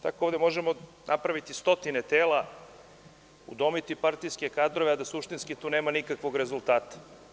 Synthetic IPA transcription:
t̪akooːʋd̪emo̞ʒemo | nʔapɾaʋit̪ist̪o̞t̪inet̪eːla | ṵd̪o̞mit̪ipaɾt̪ijske̞kaːd̪ɾo̞ʋead̪asuʃt̪inskit̪uːneːmanikakʋo̞ɡɾe̞zulˠt̪aːt̪ḁ

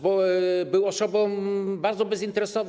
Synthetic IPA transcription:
bɔbɘwɔsɔbɔ̃w̃baɾd̪zɔbɛzint̪ɛɾɛsɔv

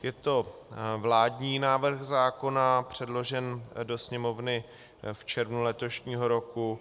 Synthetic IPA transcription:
jɛt̪o̞vlaːdɲiːnaːvr̩xzaːko̞napr̝̥ɛdlo̞ʒɛndo̞sɲɛmo̞vnɪ | ft͡ʃɛɾvnulɛt̪o̞ʃɲiːɦo̞ɾo̞ku

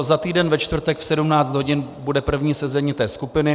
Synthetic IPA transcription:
zat̪iːdɛnvɛt͡ʃt̪vr̩t̪ɛkfsɛdumnaːt͡st̪ɦo̞ɟɪnbudɛpr̩vɲiːsɛzɛɲit̪ɛːskupɪnɪ

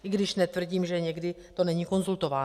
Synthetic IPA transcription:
ʔɪɡdɪʃnɛt̪vr̩ɟiːmʒɛɲɛɡdɪ | t̪o̞nɛɲiːko̞nzult̪o̞vaːn

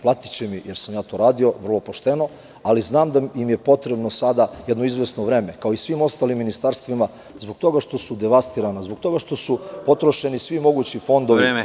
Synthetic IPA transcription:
plˠat̪i̥t͡ɕemijeɾsamjaːt̪o̞ːɾaːd̪io̞ʋr̩lˠo̞poʃt̪eno̞ | aliznaːmd̪ajimjepo̞t̪ɾebno̞sad̪ajed̪noizʋe̞snoʋɾeːme̞kaoisʋiːmo̞st̪aːlimːinist̪aɾst̪ʋima | zboɡ̚t̪o̞ɡaʃt̪o̞sud̪eʋast̪iɾanazbok̚t̪o̞ɡaʃt̪o̞supo̞t̪ɾo̞ʃe̞nisʋimo̞ɡuːt͡ɕifo̞nd̪o̞ʋi

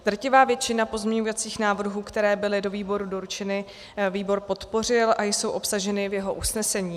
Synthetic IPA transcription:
d̪r̩cɪvaːvjɛt͡ʃɪnapo̞zmɲɛɲuvat͡siːxnaːvr̩ɦuːkt̪ɛɾɛːbɪlɪdo̞viːbo̞ɾudo̞ɾut͡ʃɛnɪ | viːbo̞ɾpo̞t̪po̞r̝ɪlʔajso̞wʔo̞psaʒɛnɪvjɛɦo̞ʔusnɛsɛɲiː

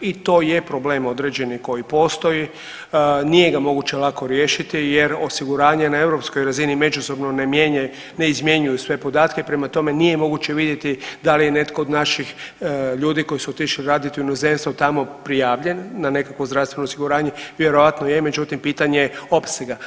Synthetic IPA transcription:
it̪o̞ːjepɾo̞bleːmo̞d̪ɾe̞d͡ʑe̞niko̞jipo̞ːst̪o̞ji | nije̞ɡamo̞ɡut͡ɕelako̞ɾjeːʃit̪ijeɾosiɡuɾaːɲe̞nae̞ʋɾo̞pskojɾazinime̞d͡ʒuso̞bnoneme | neizmje̞ɲujusʋe̞po̞d̪aːt̪kepɾemat̪o̞me̞nije̞mo̞ɡut͡ɕe̞ʋid̪jet̪id̪alijene̞t̪koːd̪naʃixʎuːd̪iko̞jisuot̪iʃliɾad̪iot̪inoze̞mst̪ot̪amo̞pɾijaːʋʎe̞nːane̞kakʋozd̪ɾast̪ʋenoːsiɡuɾaːɲe̞ʋjeɾo̞ʋat̪nojeme̞d͡ʒut̪impiːt̪aɲeo̞pseɡa

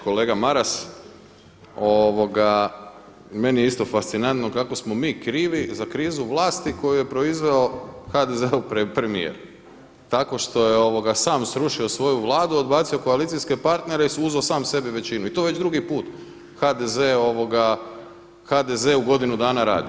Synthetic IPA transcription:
ko̞leːɡamaɾas | oʋo̞ɡa | me̞nijeist̪o̞fast̪sinant̪no̞kako̞smo̞miːkɾiːʋizakɾiːzuʋlˠaːst̪iko̞juje̞pɾo̞izʋe̞o̞xad̪ezeupɾepɾe̞mijḛɾ | t̪ako̞ʃt̪o̞je̞o̞ʋo̞ɡasaːmsɾuʃio̞sʋo̞juʋlˠaːd̪uo̞d̪baːt̪sio̞ko̞alit̪ijske̞paɾt̪ne̞ɾeisuzosaːmse̞biʋe̞t͡ɕinuit̪oʋe̞t͡ɕd̪ɾuɡipuːt̪ | xad̪ezeo̞ʋo̞ɡa | xad̪ezeuɡo̞d̪inud̪aːnaɾa̰ːd̪i

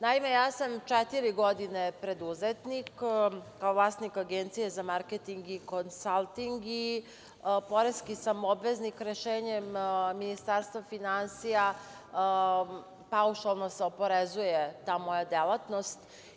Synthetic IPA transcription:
naime̞jaːsamt͡ʃɛt̪iɾiɡod̪inepɾe̞d̪uzet̪nikkːaovlˠaːsnikaɡent̪sijezamaɾket̪iŋɡikonsalˠt̪iŋɡi | po̞ɾeskisamobʋeznikɾeʃeːɲemminist̪aɾst̪ʋafinansija | pauʃalˠno̞seo̞po̞ɾezujet̪aːmo̞jad̪elat̪no̞st̪

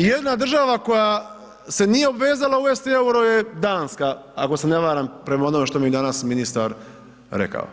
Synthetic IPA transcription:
jed̪nad̪r̩ʒaʋako̞ja | se̞nije̞obʋe̞ːzalauest̪ieuɾo̞je̞d̪aːnska | a̰ko̞seneʋaːɾampɾe̞maonome̞ʃt̪o̞mid̪anasminist̪aɾ | ɾḛka̰o̰

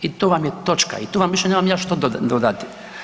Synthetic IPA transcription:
it̪oʋamjet̪o̞t͡ʃka̰it̪oːʋamʋiʃenemamjaːʃt̪od̪d̪od̪at̪i̥

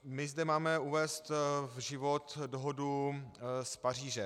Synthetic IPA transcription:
mɪzdɛmaːmɛuvɛːst̪vʒɪvot̪doɦodu | spar̝iːʒɛ

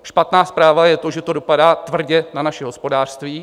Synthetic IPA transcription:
ʃpat̪naːspɾaːvajɛt̪o̞ʒɛt̪o̞do̞padaːt̪vr̩ɟɛnanaʃɛɦo̞spo̞daːr̥st̪viː

